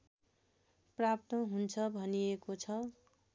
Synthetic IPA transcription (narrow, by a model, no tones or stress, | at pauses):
prap̚t̪ʌɦunt͡sʰʌbʱʌnijekot͡sʰʌ